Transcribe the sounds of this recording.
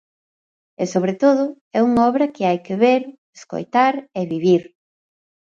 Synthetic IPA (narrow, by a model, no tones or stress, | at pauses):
esoβɾet̪oðʊ | ɛuŋaɔβɾɐkɪajkeβeɾ | esko̰jt̪aɾeβiβiɾ